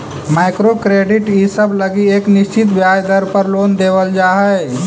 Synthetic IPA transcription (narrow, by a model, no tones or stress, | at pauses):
maɪkɾokɾeɖiʈisəbləɡieknist͡ʃit̪bjad͡ʒd̪əɾpəɾlond̪eʋəld͡ʒaɦə